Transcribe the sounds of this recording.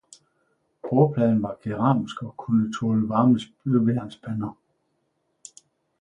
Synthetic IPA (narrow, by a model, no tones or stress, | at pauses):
b̥ʰɔːpʰlɛn̩ʋɑ̈ɡ̥iʁɑ̈msɡ̥ɒ̽kʰunət͡sʰolʋɑ̈ːməsbøʋeɐnsb̥ʰænɐ